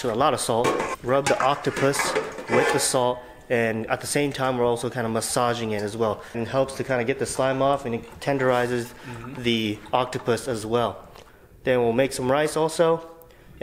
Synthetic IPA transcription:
əlɔɾʌ̥sɔlˠt̚ɹʌb̚ðiʔɑk̚tɨpʰɨswɪt͡ʃɨ̥sɔlˠt̚ | ɨ̃nə̰t̪̚ðɨsẽɪ̃mtʰãɪ̃mwɨɹɔlˠsoʊkʰãɪ̃ndəməsɑʒɪ̃ŋɪɾɨzwɛlˠnnhɛlˠpstʰɨkʰãɪ̃ndɨɡɛt̪̚ðɨslãɪ̃mɔfɨ̃nɨtʰɛ̃ndə˞aɪzɨzðiʔɑk̚tɨpɨsɨzwɛlˠ | ðɨ̃nwilˠmeɪksʌ̃mɹaɪsɔlˠsoʊ

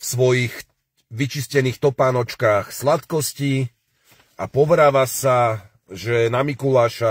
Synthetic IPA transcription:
fsʋɔjix | ʋit͡ʃiscɛniːxt̪ɔpaːnɔt͡ʃkaːxslat̪kɔsci | apɔʋɾaːʋasa | ʒɛnamikulaːʃa

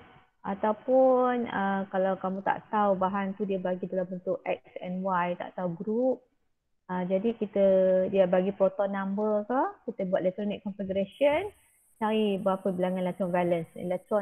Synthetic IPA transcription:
ʔat̪awpunəkalawkamũt̪a̰ʔt̪aubaɦant̪udiəbaɡidalambənt̪ʊʔɛk̚sɛnwajt̪a̰ʔt̪auɡɾup̚ | əd͡ʒadikit̪ədiəbaɡipɾot̪ɔnãmbərkakit̪əbuat̪̚lɛk̚t̪ɾɔnikːɔnfiɡəɾasən | saɾihbəapəbilaŋanlɛk̚t̪ɔnbɛlənsḭlɛk̚t̪ɾɔ

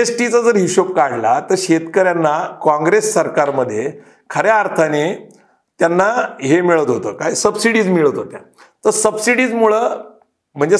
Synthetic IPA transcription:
esʈit͡sad͡zəɾɦiɕop̚kaɽlat̪əɾɕet̪kəɾjanːakãŋɡɾesːəɾkaɾməd̪ʱːje | kʰəɾjeaɾt̪ʰane | t̪janːaɦemiɭət̪ɦot̪əːkajsəbsiɽiːd͡zmiɭət̪ɦot̪ja | t̪əɾsəbsiɽiːd͡zmuɭəː | m̤əɳd͡ze

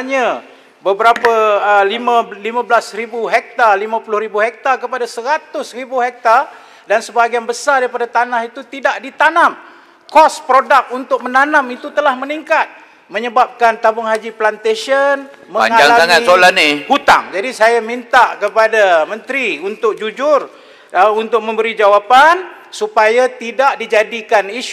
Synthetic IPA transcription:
ɲã | bəbəɾapaəlimalimãbəlasribuɦɛk̚t̪alimãpulʊhɾibuhɛk̚t̪akəpadasəɾat̪ʊsribuɦɛk̚t̪a | dansəbaɡianbəsardaɾipadat̪anahit̪ut̪idaʔdit̪anam | kɔspɾodak̚unt̪ʊk̚mənanãmit̪ut̪əlahməniŋkat̪̚ | mə̃ɲəbap̚kant̪abʊŋɦad͡ʒiplant̪eʃən | mə̃a̰ɲŋaaŋlaaŋamisolanihut̪a̰ŋd͡ʒadisajamint̪aʔkəpadamə̃nt̪ɾiunt̪ʊk̚d͡ʒud͡ʒʊr | əunt̪ʊk̚mə̃mbəɾid͡ʒawapan | supajat̪idaʔdid͡ʒadikaniʃ

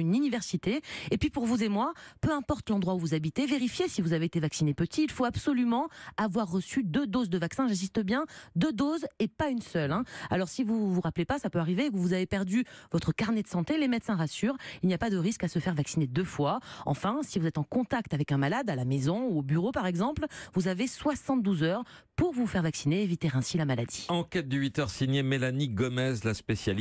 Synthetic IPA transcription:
ynynivɛʁsit̪eːpɥipuʁvuzemwapøɛ̃pɔʁt̪lɑ̃d̪ʁwauvuzabit̪eveʁifjesivuzaveet̪evaksinepət̪ʰiːlfoabsɔlymɑ̃avwaʁːəsyd̪ød̪ozd̪əvaksɛ̃ʒɛ̃s̬ist̪əbjɛ̃d̪ød̪ozɛpaynsœlɛ̃a̰lɔʁsivuvuʁaplepasapøaʁivekəvuzavepɛʁd̪yvɔt̪χəkaʁnɛd̪əsɑ̃t̪elemɛt̪sɛ̃ʁasyːʁilniapad̪əʁiskasəfɛʁvaksined̪øfwaɑ̰̃fɛ̃sivuzɛt̪ɑ̃kɔ̃t̪akt̪avɛkɛ̃nmalad̪alamezɔ̃uobyʁopaʁɛɡzɑ̃plvuzaveswasɑ̃t̪̚d̪uzœʁ | puʁvufɛʁvaksineːvit̪eʁɛ̃silamalad̪iɑ̃kʲɛt̪̚d̪əɥit̪œʁsiɲjemelaniɡɔmɛzlaspesjal

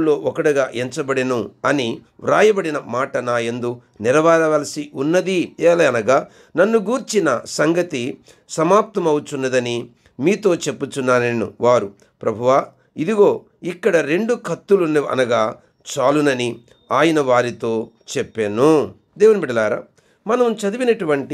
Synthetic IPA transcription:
lːo̞ːʔɔkɐɽɐɡaːʔeɲt͡ʃɐbɐɽenuɐniɾaːjɐbɐɽinɐmaːʈɐnaːjend̪u | niɾɐʋaːɾɐʋɐːlɐsiʔunːɐd̪ieːlɐɐnɐɡaː | nɐnːuɡuːɾt͡ʃinɐsɐŋɡɐt̪i | sɐmaːp̚t̪ɐmɐwut͡ʃunːɐd̪ɐni | miːt̪o̞ːt͡ʃe̞pːut͡ʃunːaːnenṵʋaːɾu | pɾɐbʱuʋaː | id̪iɡo̞ː | ikːɐɽɐɾe̞ɳɖukʰɐt̪ːulunɐ̰nɐɡaː | t͡ʃaːlunɐni | aːjɐnɐʋaːɾit̪o̞ːt͡ʃepːeːnu | d̪eːʋunbiɽɐlaːɾa̰ː | mɐnɐmt͡ʃɐd̪iʋinɐʈuʋɐɳʈi

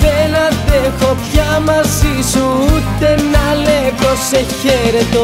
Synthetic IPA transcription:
penɐt̪efopçɐmɐzisuut̪e̞nɐleposːeçeɾet̪o

